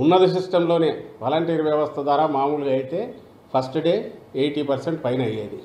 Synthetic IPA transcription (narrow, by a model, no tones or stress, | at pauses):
unːɐd̪is̬isʈɐmlo̞ːneːʋaːlɐɳʈiːɾʋjɐʋɐst̪ʰɐd̪ʋaːɾaːmaːmuːluɡɐjit̪e̞ː | pʰɐsʈɖe̞ːeːjʈiːpɐɾseɳʈpɐjnɐjːeːd̪ḭ